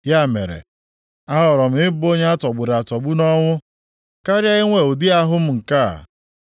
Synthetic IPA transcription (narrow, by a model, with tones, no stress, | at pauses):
ja˦˨mḛ˨ɾḛ˨ | a˦ɦɔ˨ɾɔ˨m̩˦ɪ˦bo˦ɲe˦a˦tɔ˨ɡ͡bʊ˨ɾa˨tɔ˨ɡ͡bu˦nɔ˦ŋʷʊ˦ | ka˦ɾja˦ɪ˦ŋʷe˨o˨dɪ˦a˦ɦʊ˦m̩˦ŋ̩˨ka̰˦˨